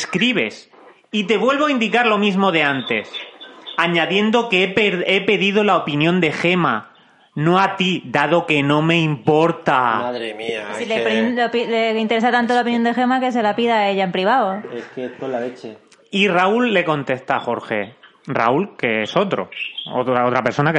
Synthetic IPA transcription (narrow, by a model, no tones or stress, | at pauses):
skɾiβe̞s | it̪e̞βwe̞lβoaind̪ikaɾlo̞mizmo̞ðe̞ant̪e̞saɲaðje̞nd̪o̞kepeɾe̞pe̞ðiðo̞laopinjõnd̪e̞xe̞ma | no̞at̪iðaðo̞ke̞nõ̞mẽ̞impo̞ɾt̪amaðɾemiasileɾpileint̪e̞ɾes̬at̪ant̪̬olaop̬injond̪exe̞make̞s̬e̞lapiðae̞ʎaempɾiβ̞aoeskeeskolːalet͡ʃe | iraulːe̞kõ̞nt̪e̞st̪axo̞ɾxe̞̰ | ra̰ulke̞eso̞t̪ɾo̞̰o̰t̪ɾaot̪ɾapeɾso̞nak